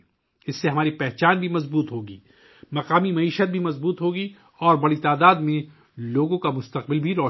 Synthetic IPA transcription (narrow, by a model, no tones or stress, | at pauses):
ɪsːeɦɐmaːɾipɛɦt͡ʃaːnbʱimɐzbuːt̪ɦoːɡiː | mɐqaːmimɐiːʃət̪̚bʱimɐzbuːt̪ɦoːɡi | ɔːɾbɐɽit̪aːd̪aːd̪mẽ | loːɡõkamʊst̪ɐq̚bɪlbʱiɾɔː